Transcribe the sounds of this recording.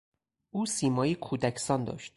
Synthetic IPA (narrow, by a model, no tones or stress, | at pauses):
ʔuːsiːmɒːjikʰuːd̪æcʰsɒnd̪ɒ̰ːʃt̪